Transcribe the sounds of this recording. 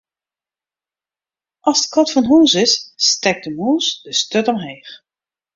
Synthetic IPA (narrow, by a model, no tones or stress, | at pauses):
ʔɑsdkʰɔtfɔnɦuːsɪsːtɛk̚dəmuːsd̥əstøtɔmɦeːx